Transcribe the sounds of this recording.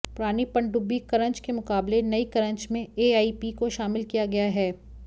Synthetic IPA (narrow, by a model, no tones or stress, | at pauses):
pʊɾaːnipɐ̃ɳɖʊbːikɐɾə̃ɲt͡ʃkemʊkaːblenɐikɐɾə̃ɲt͡ʃmẽeːaːipikoʃaːmɪlkijaɡɐjaɦɛː